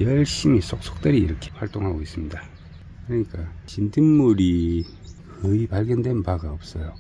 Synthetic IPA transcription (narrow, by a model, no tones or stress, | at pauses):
jʌɭɕ͈imisʰok̚s͈ʰo̥k̚t͈ɯɾiːɾʌkʰe̥waɭt͈oŋɦaɡois͈ɯmɲida | kɯɾʌɲik͈at͡ɕindɯnmuɾi | kɯipaɭɡjʌndwe̞npaɡaʌp̚s͈ʌjo